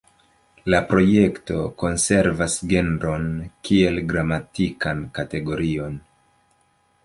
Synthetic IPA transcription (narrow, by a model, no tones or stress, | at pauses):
lapɾo̞je̞kto̞ko̞nse̞ɾvasɡe̞nɾo̞nkʰie̞lɡɾamatikankate̞ɡo̞ɾio̞n